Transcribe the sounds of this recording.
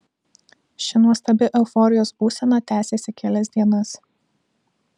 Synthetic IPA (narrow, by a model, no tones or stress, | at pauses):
ʃʲɪnuɔst̪ɐbʲɪʔɛʊfɔɾʲɪjoːsbuːsʲɛnɐt̪ʲæːsʲeːsʲɪkʲɛlʲɛzʲd̪ʲiɛnɐs